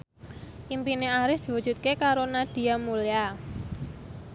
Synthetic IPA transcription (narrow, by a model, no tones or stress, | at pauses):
ʔimpineaɾɪsd̪̥i̤wud̥ʒ̥ṳt̪̚kekaɾonad̥i̤amulia